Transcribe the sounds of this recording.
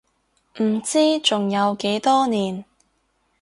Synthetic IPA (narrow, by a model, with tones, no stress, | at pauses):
m̩˨˩t͡siː˥t͡sʊ˨ŋjɐ˨˧wke˨˧˥jt̪ɔː˥niː˨˩n